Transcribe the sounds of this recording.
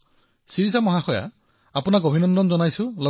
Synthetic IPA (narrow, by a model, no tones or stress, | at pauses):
siɹisamɔɦaxɔja̰ | apʊnaɡobʱinɔndɔnzɔnajsʊ̃lɔ